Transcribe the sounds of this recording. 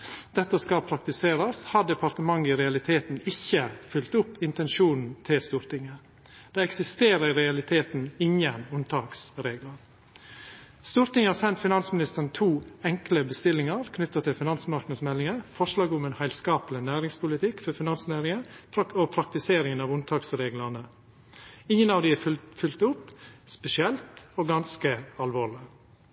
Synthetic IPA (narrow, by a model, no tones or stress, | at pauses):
d̪̥ɛt̪ːəskɑpʰɾɑk̚t̪ɪseːɾɑshɑɖɛpʰɑɾt̪əmɑŋːɪɾɛɑlɪt̪ʰeːt̪n̩ɪçːəfʏlt̪ʊpːɪnt̪ɛnʃuːnn̩t̪ʰɪlst̪uːɾt̪ɪŋə | d̪̥ɛːɛksɪst̪eːɾəɾɪɾɛɑlɪt̪ʰeːt̪n̩ɪŋjənʊnt̪ʰɑːksɾeːɡləɾ | st̪uːɾt̪ɪŋəhɑːɾsɛnt̪fɪnɑnsmɪnɪst̪əɾnt̪ʰuːɛŋkləbəst̪ɪlɪŋɑɾkʰnʏt̪ːət̪ʰːɪlfɪnɑnsmɑɾknəsmɛlːɪŋəfɔʂlɑːɡʊmɛeːnhæɪlskɑːplɪnæːɾɪŋspʰʊlɪt̪ʰɪkfɔɾfɪnɑnsnæːɾɪŋəopʰɾɑk̚t̪ɪseːɾɪŋənɑːʋʊnt̪ʰɑːksɾeːɡlɑnə | ɪŋːənɑːʋd̪ɪɛfʏlt̪ʊpspɛsɪɛlt̪oːɡɑnskəɑlʋoːɭɪ